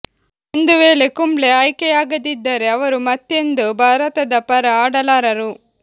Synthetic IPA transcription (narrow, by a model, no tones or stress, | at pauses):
end̪ɯʋeːlekʊmleɐjkɐjaːɡɐd̪ɪd̪ːɐɾeɐʋɐɾumɐt̪ːend̪ɯbʱaːɾɐt̪ɐd̪ɐpɐɾɐaːɽɐlaːɾɐɾu